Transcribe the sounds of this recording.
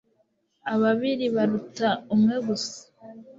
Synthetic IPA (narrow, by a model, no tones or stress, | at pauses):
aβaβiɾiβaɾutaumŋe̞ɡusḁ